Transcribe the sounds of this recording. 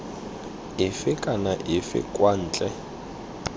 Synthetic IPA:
ɪfɪkʼanaʔɪfɪ̰kʼwan̩ːt͡ɬʼɛ

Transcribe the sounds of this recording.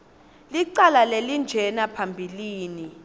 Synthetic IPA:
liǀalalelind͡ʒʱɛnapʰambʱiliːni

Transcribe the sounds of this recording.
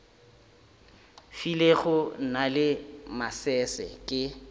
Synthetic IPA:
fileχʊnalɪmasɛsɛ̰kʼɪ

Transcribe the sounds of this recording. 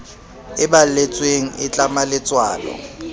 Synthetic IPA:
ɪbalet͡sʼweŋ̩ʔɪt͡ɬʼamalɪt͡sʼwa̰ːlɔ̰

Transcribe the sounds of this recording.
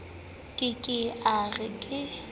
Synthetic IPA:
kʼɪkʼɪaɣɪkʼɪ

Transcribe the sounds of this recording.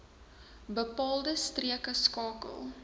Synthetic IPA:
bəpɑːlˠdəstriəkəskɑːkə̰lˠ

